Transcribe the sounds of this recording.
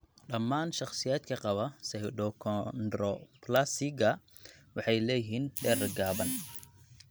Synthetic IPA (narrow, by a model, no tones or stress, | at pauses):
ɗɐmːaːnʃɑχsɪjaːd̪kʰɐqɑβɐsɛɗɔkʰɔnd̪ɾɔplasɪɡɐ | wɑħɑjlɛːjɦiːnɗɛɾɡaːβɐn